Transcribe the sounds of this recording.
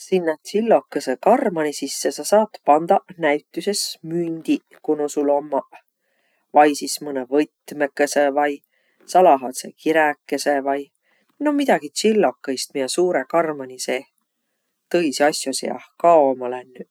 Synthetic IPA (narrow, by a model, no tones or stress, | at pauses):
sinːɑt̪silːo̞kːesekɑrmɑnisisːesɑsɑːt̪pɑnd̪̥ɑnæɥt̪ˑːyse̞smynʲd̪̥i | kunusulo̞mːɑ | vɑjsismɤnevɤt̪mekːˑesevɑj | sɑlɑɦɑt̪sḛkʰiɾækːˑesevɑj | nomid̪̥ɑɡ̥it̪silːo̞kːˑɑist̪̚miesuːɾekɑrmɑniseː | t̪ɤjsɑsʲjosejɑ̰hkɑomɑlænːy